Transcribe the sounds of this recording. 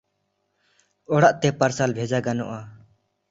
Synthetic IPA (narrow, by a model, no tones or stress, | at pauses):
ɔɽaʔt̪ɛpaɾsalbʱɛd͡ʒaɡanɔ̰ʔa